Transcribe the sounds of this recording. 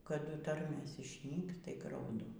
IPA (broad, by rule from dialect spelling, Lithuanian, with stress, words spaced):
kɐˈdʊ ˈtɐrʲmʲeːs ɪʃʲˈnʲiːks tɐɪ ɡrɐʊˈdʊ